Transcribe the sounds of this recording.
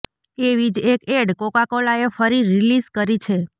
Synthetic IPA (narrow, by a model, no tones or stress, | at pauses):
eʋid͡ʒekeɽkokakolaefəɾiɾilizkəɾit͡ʃʰe